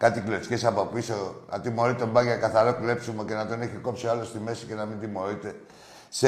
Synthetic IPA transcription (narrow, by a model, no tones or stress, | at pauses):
kɐt̪ikloscesɐpo̞piso̞nʔɐ̰t̪imo̞ɾit̪ombɐʝɐkɐθɐɾokule̞psumoce̞nɐt̪o̞neçiko̞psialo̞st̪ime̞sce̞nɐmind̪imo̞ɾit̪e̞ | se